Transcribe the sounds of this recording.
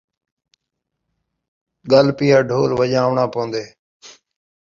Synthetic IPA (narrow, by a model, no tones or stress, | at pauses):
ɠəlpiːaːɖʱoːlʋəʄaːʋɳãːpəːə̃nd̪eː